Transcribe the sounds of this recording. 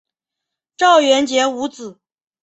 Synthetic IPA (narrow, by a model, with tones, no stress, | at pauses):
ʈ͡ʂɑ˥˩ʊɥɛ˧˥nt͡ɕjɛ˧˥u˧˥t͡sɹ̩˨˩˦